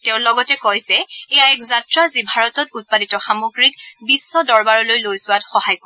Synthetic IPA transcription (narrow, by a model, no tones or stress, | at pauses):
teʊ̃lɔɡɔtɛkojzɛɛjaɛkzatɹazibʱaɹɔtɔtut̚paditɔxamoɡɹik̚bisːɔdɔɹbaɹɔlojlojsʊwatxɔhajkɔ